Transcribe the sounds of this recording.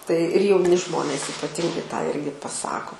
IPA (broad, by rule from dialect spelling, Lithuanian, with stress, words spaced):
tɐɪ ɪr jɛʊˈnʲɪ ˈʒmoːnʲeːs iːpɐˈtʲɪŋɡɐɪ tɑː ˈɪrʲɡʲɪ pɐˈsɑːkoː